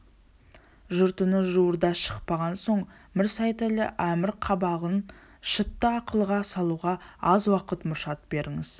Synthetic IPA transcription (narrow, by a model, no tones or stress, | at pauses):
ʒʊɾt̪ənəʒuəɾd̪ɑʃə̥q̚pɑʁɑnso̞ɴ | mɪɾsɑjt̪elɪ̰ʔæmɪɾqʰɑbɑʁən | ʃət̪ːəɑqəlˠʁɑsɑlˠuʁɑɑzwɑqət̪mʊɾʃɑt̪be̞ɾʔɪŋɪz̥